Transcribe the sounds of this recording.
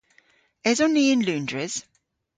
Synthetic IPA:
ɛzɔnːiːɪnlʉːndɹɪz̥

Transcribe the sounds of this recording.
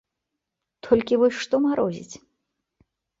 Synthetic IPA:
t̪ʰɔlʲkʲivɔsʲʂt̪ɔmaɾɔzʲḭt͡sʲ

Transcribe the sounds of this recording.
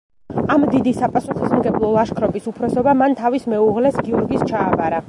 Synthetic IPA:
amd̪id̪isapʼasuχismɡɛblˠɔlˠaʃkʰɾɔbisupʰɾɔsɔbamant̪ʰavismɛuʁlɛsɡiɔɾɡist͡ʃʰaːvaɾa

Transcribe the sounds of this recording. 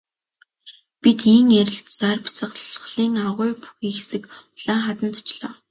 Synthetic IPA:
pit̪iŋæɾʲɪ̆ɬt̪t͡sarpi̥sə̆χχɮiːŋaʁʊːjpu̥xiːxesɘ̆kʊɮaːŋχat̪ə̆nt̪ʊt͡ɕɮɔː

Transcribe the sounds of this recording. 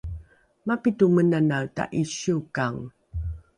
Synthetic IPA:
mapitumənanawta̰ʔiɕuukaŋ

